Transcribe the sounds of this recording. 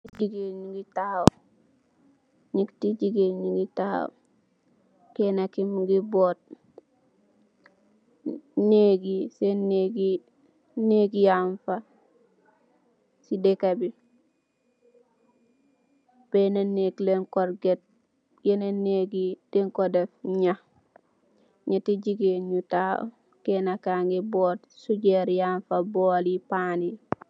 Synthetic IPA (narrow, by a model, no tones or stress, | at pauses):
id͡ʒiɡeɲiɡitao | ɲiktid͡ʒiɡeɲiɡitaha̰w̰ | kenakimɡibot̚ | neɡiseneɡi | neɡijaɱfa | sidekabi | b̥enenekleŋkoɾɡet̚ | jeneneɡideŋkodefɲa | ɲatiɟiɡeɲuta̰ | kenakaŋɡibotsuɟeɾjaɱfabolipani